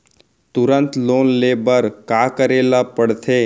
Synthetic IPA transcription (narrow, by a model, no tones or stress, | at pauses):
t̪ʊɾə̃nt̪loːnleːbəɾkakəɾeːlapəɽt̪ʰeː